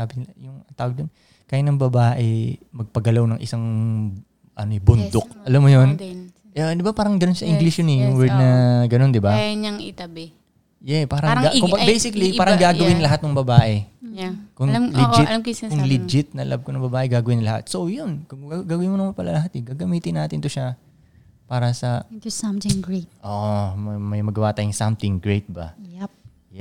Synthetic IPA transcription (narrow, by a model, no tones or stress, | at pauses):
aːbɪnɪlɐjʊŋɐt̪aːwɐɡ̚d̪on | kaːjanɐŋbɐbaːʔɛmɐɡ̚pɐɡɐlawnɐŋʔɪ̰saŋ | ʔɐ̰noɛbʊnd̪ok̚ɐlamːojon | ʔd̪ɪbapaːɾɐŋɡɐnonʃɐʔɪŋɡlɪsjʊnɛjʊŋwɛɹd̪̚nɐɡɐno̞nd̪ɪbaɲɐŋɪ̰t̪ɐbɛ | jɛpaːɾɐŋɡakʊbejsɪkɐlipaːɾɐŋɡaːɡɐwɪnlɐɦat̪̚nʊŋbɐbaːʔɛ | kʊŋllɪd͡ʒɪtmskʊŋlɪd͡ʒɪt̪̚nɐla̰b̚konɐŋbɐbaːʔɛɡaːɡɐwɪnlɐha̰t̪̚sowjʊnkʊŋɡaːɡɐwɪnmonɐmanpɐlalɐɦat̪ɛɡaːɡɐmiːt̪ɪnːaːt̪ɪnt̪oʃa | paːɾɐsɐsamɪŋɡɹet̪̚ʔoːʔommɐjmɐɡɐwaːt̪aːjɪŋsɐmt̪ɪŋɡɹejt̪̚bɐ̰p̚ | jɛ